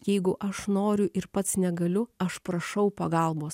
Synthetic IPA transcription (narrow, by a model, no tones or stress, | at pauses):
jɛɪɡʊʔɐʃnoːɾʲʊʔɪɾpɐt̪snʲɛɡɐlʲʊɐʃpɾɐʃɐʊpɐɡɐlˠboːs